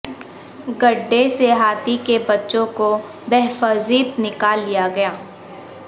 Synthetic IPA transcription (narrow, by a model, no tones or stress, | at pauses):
ɡɐɖːeseɦaːt̪ikebɐtːʃõko | bɛɦfəziːt̪nɪkaːlːijaɡɐjaː